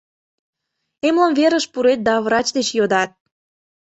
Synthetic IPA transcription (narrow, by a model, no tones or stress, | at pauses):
emləmveɾəʃpuɾet̪̚d̪ɑvrɑt͡ɕd̪et͡ɕjod̪ɑt̪̚